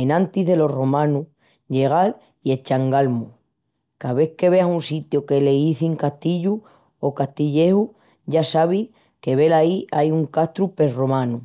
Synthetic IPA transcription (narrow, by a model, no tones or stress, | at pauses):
enãnt̪iðe̞lo̞ro̞mãnu | ʝe̞ɣ̞al | ie̞t͡ʃaŋɡalmu | kaβe̞hke̞βe̞asunsit̪joke̞le̞iθiŋkaht̪iʎu | okaht̪iʎe̞hu | ʝasaβ̞ih | ke̞βe̞laiʔajuŋkast̪ɾupe̞ro̞mãnu